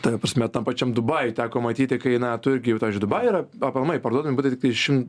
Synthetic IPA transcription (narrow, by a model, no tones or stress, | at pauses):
t̪ɐɛpɾɐsʲmʲɛt̪ɐmpɐt͡ʃʲɛmd̪ʊbɐɪt̪ʲæːkoːmɐt̪ʲiːt̪ʲɪkɐɪnɐt̪ʊɪɾʲɡʲɪjɛʊɑːʋʲizd͡ʒʊɪd̪ʊbɐɪiɾɐɐpʲɐlˠmɐɪpɐɾd̪uɔdɐmʲɪbuːt̪ʲɐɪt̪ʲɪkt̪ɐɪʃʲɪmt